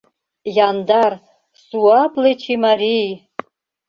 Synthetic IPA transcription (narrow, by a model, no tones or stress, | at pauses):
jandar | suapʼlet͡ʃʰimaɾij